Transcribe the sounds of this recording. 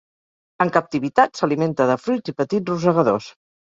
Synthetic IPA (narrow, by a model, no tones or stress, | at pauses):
əŋkəp̚t̪iβit̪at̪səliment̪əðəfɾut̪ipət̪itruzəɣəðos